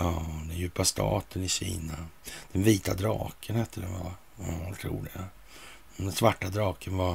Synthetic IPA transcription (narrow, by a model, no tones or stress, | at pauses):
ɑːd̪ɛnjʉ̟ːpast̪ʰɑ̰ːt̪ʰənɪɕḭːnad̪̥ɛnviːt̪ad̪ɾɑ̰ːkʰənhɛt̪ːəd̪ɛnva̰ | ɑt̪ʰɾṵːd̪ɛa | d̪ɛnsvaʈːad̪ɾɑːkʰənva